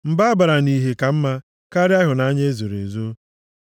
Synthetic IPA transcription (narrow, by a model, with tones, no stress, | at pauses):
m̩˨ba˦a˦ba˨ɾa˨ni˦ɦe˨ka˨m̩˦ma˦ | ka˦ɾɪ˦a˦ɦʊ˨na˦ɲe˦zo˨ɾḛ˨zo˦